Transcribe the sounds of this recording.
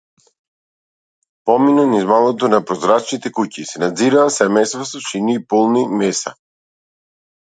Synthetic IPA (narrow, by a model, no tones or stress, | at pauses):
pɔminɔnizmalˠɔt̪ɔnapɾɔzɾat͡ʃnit̪ɛkucisɛnad̪ziɾaːsɛmɛjst̪vasɔʃiniːpolˠnimɛsa